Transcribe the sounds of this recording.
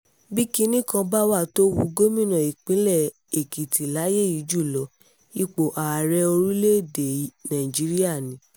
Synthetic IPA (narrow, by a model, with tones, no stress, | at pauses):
bi˦ki˦nĩ˦kã˧ba˦wa˦˨to˦wu˧ɡo˦mĩ˦˨nã˨i˨k͡pĩ˨˦lɛ˦˨ | e˨ki˨ti˨la˨˦je˦˨i˨˦d͡ʒu˦˨lɔ˨˦ | i˧k͡po˨ʔa˨a˨ɾɛ˧˦o˧ɾũ˦le˦˨de˨nã˨ĩ˨d͡ʒi˨˦ɾi˦a˦˨nĩ˨˦